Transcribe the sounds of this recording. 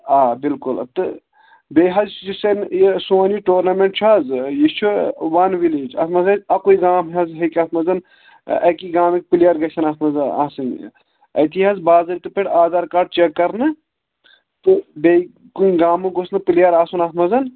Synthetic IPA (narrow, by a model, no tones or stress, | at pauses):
aːbilkult̪ɨ | beɦɐzt͡ʃd͡ʒisɐnesoːniʈoːɾnɐmẽɳʈt͡ʃʰazjit͡ʃʰuʋɐnʋiled͡ʒɐ̰t̪mɐzɐzɐkoiɡaːmɐzɦekʲɐt̪ʰmɐzɐn̰ | ɐkiɡaːmik̚pilijɐɾɡɐsɐnat̪mɐzɐna̰ːsɨŋ | ɐ̰t̪ʰiɦɐzbaːzɐlit̪ɨpiɽaːzaɾkaɖ̚t͡ʃekːɐɾnɨ | t̪ɨbe | kuiɡaːmɨɡosnɨpilijɐɾaːsunat̪mɐzɐn